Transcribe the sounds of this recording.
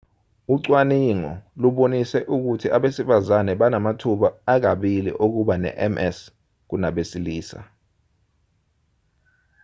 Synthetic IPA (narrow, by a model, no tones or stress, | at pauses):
uǀwaniŋɔ̰luɓonisɛʔuk̬utʰiʔaɓesifazanɛɓanamatʰuɓaːk̬aɓilḭʔok̬uɓanɛ̰ʔɛmɛs | k̬unaɓesiliːsa̰